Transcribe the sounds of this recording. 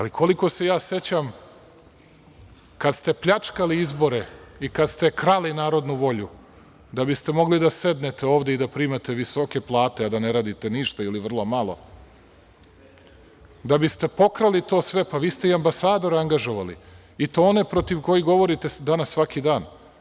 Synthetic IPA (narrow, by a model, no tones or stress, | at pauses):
alikʰoliko̞se̞jaːse̞t͡ɕam | kad̪st̪e̞pʎat͡ʂkaliizbo̞ɾeikad̪st̪e̞kɾalinaːɾo̞d̪nuʋo̞ʎu | d̪abist̪e̞mo̞ɡlid̪ase̞d̪net̪eoːʋd̪eid̪apɾiːmat̪eʋiso̞ke̞plˠaːt̪e̞ad̪aneɾaːd̪it̪e̞niʃt̪ailiʋr̩lˠomalˠo̞̰ | d̪abist̪e̞po̞kɾalit̪o̞ːsʋe̞paʋiːst̪eiambasaːd̪o̞ɾaŋɡaʒo̞ʋalḭ | it̪oone̞pɾo̞t̪iʋko̞jiɡo̞ʋo̞ɾit̪ed̪anasːʋakid̪aːn